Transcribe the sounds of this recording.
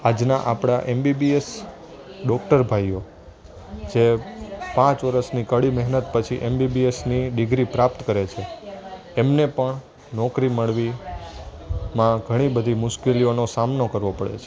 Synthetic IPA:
ad͡ʒnaʔapɽ̃aʔembibies | ɖɔk̚ʈəɾbʱaio | d͡ʒepãt͡ʃʋəɾəsnikəɭimɛɦnət̪pət͡ʃʰiʔembibiesniɖɪɡɾipɾap̚t̪kəɾet͡ʃʰe | emnepəɳ | nɔkɾiməɭʋi | mãɡʱəɽ̃ibəd̪ʱimʊʃkelionosamnokəɾʋopəɽḛt͡ʃʰe

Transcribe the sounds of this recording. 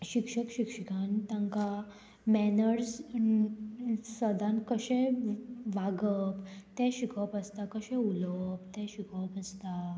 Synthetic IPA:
ɕikʂəkɕikʂəkant̪ãŋka | mɛnəɾs | səd̪ãnkəɕɛ̃ | ʋaɡəpt̪ɛ̃ɕikʰəpəst̪akəɕɛ̃uləpt̪ɛ̃ɕikʰəpəst̪a

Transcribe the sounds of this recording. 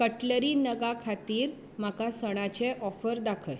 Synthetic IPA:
kəʈləɾiːnəɡakʰat̪iːɾ | makasəɽ̃at͡ɕeʔɔfəɾd̪akʰəj

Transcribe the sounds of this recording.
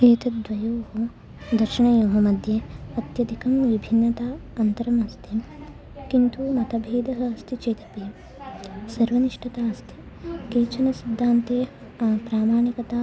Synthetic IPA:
eːt̪ɐd̪ʋɐjoːɦo | d̪ɐɾʂɐɳɐjoːɦɐmɐd̪ʱjeɐt̪jɐd̪ikɐmʋibʱinːɐt̪aːɐnt̪ɐɾɐmɐst̪ʰi | kint̪umɐt̪ɐbʱeːd̪ɐɦɐ̆ɐst̪ʰit͡ʃeːt̪ɐ̥peːɐ | sɐɾʋɐniʂʈɐt̪aːɐst̪ʰi̥ | keːt͡ʃɐnɐsid̪ʱːaːnt̪eː | pɾaːmaːɳikɐt̪aː

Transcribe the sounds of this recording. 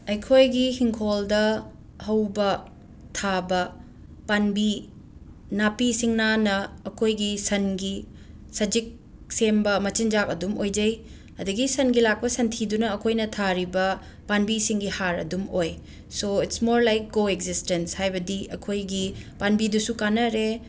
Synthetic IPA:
ɐjkʰojɡihiŋkʰoldɐ | hɐwbɐ | tʰabɐ | panbi | napisiŋnanɐːkʰojɡisɐnɡi | sɐd͡ʒik̚ | sembɐmɐt͡ʃind͡ʒakɐdumojd͡ʒɐj | ɐduɡisɐnɡilak̚pɐsɐntʰidunɐːkʰojnɐtʰaɾibɐ | panbisiŋɡihaɾɐ̰dumoj | soitsmoɾlajk̚ɡoek̚zistenshajbɐdiɐkʰojɡipanbidusukanɐɾe

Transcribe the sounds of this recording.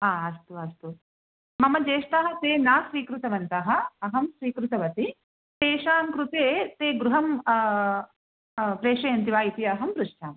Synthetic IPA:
aːɐst̪uɐst̪u | mɐmɐd͡ʒeːʃʈ̪aːɦɐ̆t̪eːnaːsɾiːkɾut̪ɐʋɐnt̪ɐɦɐ̆ɐɦɐmʃɾiːkɾut̪ɐʋɐt̪i | t̪eːʂaːmkɾut̪eːt̪eːɡɾuɦɐm | pɾeːʂɐjɐnt̪iʋaːit̪iɐɦɐmpɾuʂʈʰaːm

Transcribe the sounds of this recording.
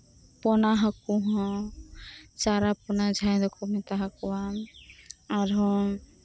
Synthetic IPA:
pɔnaɦakuɦɔ̃ | t͡ʃaɾapɔnad͡ʒʱajd̪ɔkʰɔmɛt̪aɦakɔwam | aɾɦɔ̃

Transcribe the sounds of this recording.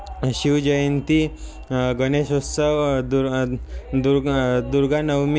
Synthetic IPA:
ɕiʋd͡ʑəjənt̪i | ɡəneɕossəʋd̪u | d̪uɾd̪uɾɡanəwm

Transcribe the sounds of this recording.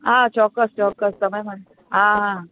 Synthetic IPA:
ɦãt͡ɕɔkːəst͡ɕɔkːəst̪əmajməɽe | ɦãɦã

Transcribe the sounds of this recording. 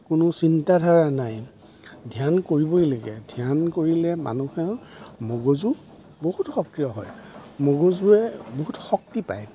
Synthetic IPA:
kʊnʊsintadʱaɹanaj | dʱjankoɹibɔjleɡɛ̰dʱiankoɹilɛma̰nuxɛɹmoɡozu | boɦutxɔk̚tijɔɦɔ̰jmoɡozuɛboɦutxɔk̚tipa̰j

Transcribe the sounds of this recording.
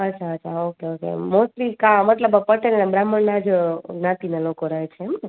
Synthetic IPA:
ətːt͡ʃʰaət͡ʃʰaokeokḛmosɾikãmət̪ləbəpəʈelnãbɾaməɳnad͡ʒnãt̪inalokoɾaɦet͡ʃʰeemne

